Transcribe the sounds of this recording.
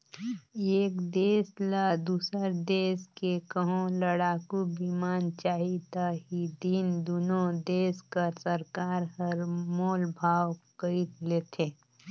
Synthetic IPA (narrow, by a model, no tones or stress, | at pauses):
eːkd̪eːsləd̪uːsəɾd̪eːskekəɦõləɽaːkubimaːnt͡ʃaːɦit̪aɦid̪iːnd̪unõd̪eːskəɾsəɾkaːɾhəɾmoːlbʱaːwkəit̪leːt̪ʰeː